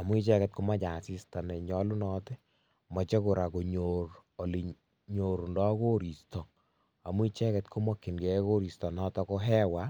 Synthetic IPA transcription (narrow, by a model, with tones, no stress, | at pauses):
a˨mu˦i˦t͡ʃɛ˦kɛ˨t̚ko˦ma˦t͡ʃa˨si˦sta˨nɛ˨ɲɔ˦lu˦nɔ˦tɪ˦ | mɔ˨t͡ʃe˦ko˨ɾa˨ko˨ɲo˨ɾo˨li˨ | ɲo˨ɾndɔ˦ko˦ɾi˨stɔ˨ | a˨mu˦i˦t͡ʃɛ˦kɛ˨tkʰo˦mɔ˦kːi˨nɡɛ˨˦ko˦ɾi˨stɔ˨nɔ˦tɔ˦kɔ˦ɦɛ˦wa˦